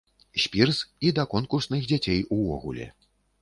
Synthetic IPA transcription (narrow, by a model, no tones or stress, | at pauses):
ɕʲpʲirzid̪ɐkɔnkursnɨxd͡zʲat͡sʲejuvɔ̰ɣṵlʲɛ̰